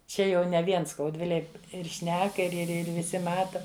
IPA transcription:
ˈt͡ʃʲɛ jɛʊ nʲɛ ˈʋʲiɛn skɐʊdʲˈʋʲɪlʲeːj ɪr ˈʃʲnʲæːkɐ ɪr ɪr ˈɪr ʋʲɪˈsʲɪ ˈmɑːtɐ

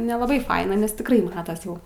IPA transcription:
nʲɛlˠɐˈbɐɪ ˈfɐɪnɐ nʲɛs tʲɪkˈrɐɪ ˈmɑːtɐs ˈjɛʊ

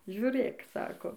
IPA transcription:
ʒʲʊˈrʲeːk ˈsɑːkoː

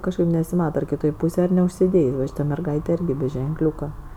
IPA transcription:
ˈkɑːʃkɐɪp nʲɛsʲɪˈmɑːtɐ ɐr kʲɪˈtoːj ˈpuːsʲeːj ɐr nʲɛʊʃʲsʲɪˈdʲeːjsʲ ʋɐ ˈʃʲiːtɐ mʲɛrˈɡɐɪtʲeː ˈɪrʲɡʲɪ bʲɛ ʒʲɛŋˈklʲuːkɐ

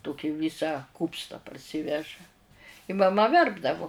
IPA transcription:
ˈtoːkʲɪ ˈʋʲɪsɐ ˈkuːpstɐ pɐrʲˈsʲiːʋʲɛʒɐ ɪ mɐˈmɐ ˈʋʲɛrbdɐʋʊ

